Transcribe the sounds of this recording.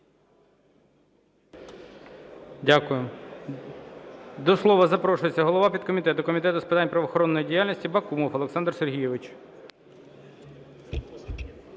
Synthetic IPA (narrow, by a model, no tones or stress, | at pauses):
dʲakʊjʊ | d̪ɔslˠɔʋɐzɐpɾɔʃʊjet͡sʲːɐɦɔlˠɔʋɑpʲid̪kɔmʲit̪ɛt̪ʊkɔmʲit̪ɛt̪ʊspɪt̪ɑnʲpɾɐʋɔxɔɾɔnːɔjidʲijalʲnʲisʲtʲibɐkumɔfɐlˠeksɑnd̪rserɦʲijɛʋɪt͡ʃ